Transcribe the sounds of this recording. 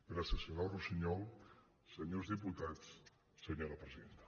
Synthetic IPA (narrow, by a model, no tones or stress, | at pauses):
peɾəsəsjunawrusiɲɔlˠ | səɲozðiput̪at͡s | səɲoɾəpɾəziðent̪ə̥